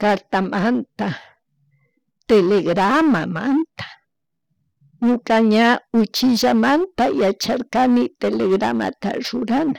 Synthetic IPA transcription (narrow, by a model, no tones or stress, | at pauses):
kaɾt̪amant̪a | t̪eleɡɾamama̰nt̪ḁ | ɲʊkaɲaʊt͡ʃɪʒamant̪ajat͡ʃaɾkanɪt̪eleɡɾa̰ma̰t̪a̰ɾʊɾana